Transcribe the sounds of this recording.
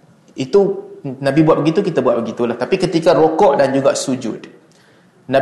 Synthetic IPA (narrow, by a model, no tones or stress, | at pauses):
it̪unãbibwaʔ̚bəɡit̪ukit̪abwat̪̚bəɡit̪ulaht̪apikət̪ikaɾokɔʔdand͡ʒuɡaʔsud͡ʒʊ̰d̪̥ | nã